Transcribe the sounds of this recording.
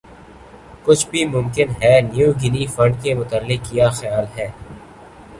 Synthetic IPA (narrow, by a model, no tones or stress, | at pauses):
kʊt͡ʃʰbʱimʊ̃mkɪnɦɛːnjuːɡɪnifɐ̃ɳɖ̚kemʊt̪əlːɪkːijaxɐjaːlɦɛː